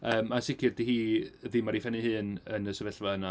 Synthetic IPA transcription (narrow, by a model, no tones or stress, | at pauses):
əːmansɪkʰɪrd̥ihiːəðɪmaɾifɛnɨhɨːnə̰nəsəvɛɬvaəna